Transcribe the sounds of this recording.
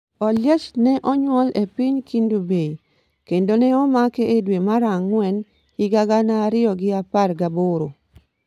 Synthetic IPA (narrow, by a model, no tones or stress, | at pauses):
ɔljɛt͡ʃnɛʔɔɲwɔlepɪɲkindubei | kendonɛɔmakɛʔedwemaɾaŋːwɛn | ɪɡaɡanaɾɪɔɡɪaparɡaboɾo